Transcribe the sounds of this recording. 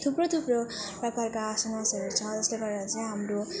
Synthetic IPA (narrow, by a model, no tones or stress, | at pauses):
t̪ʰuprot̪ʰuproprʌkarkaasʌnasʌɾut͡sʰʌd͡zʌsleɡʌɾeɾʌt͡sʌj̃ɦamro